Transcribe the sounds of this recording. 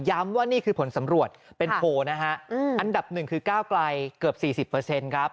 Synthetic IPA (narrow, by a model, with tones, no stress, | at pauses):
ja˦˥mwaː˥˩niː˥˩kʰɯː˧pʰo˩˦nsa˩˦mɾu˨˩ət̪̚pe˧npʰoː˧na˦˥kʰa˦˥ʔʔa˧nda˨˩p̚nɯ˨˩ŋkʰɯː˧kaː˥˩wkla˧jkɯ˨˩əp̚siː˨˩si˨˩pːɤ˧se˧nkʰɾa˦˥p̚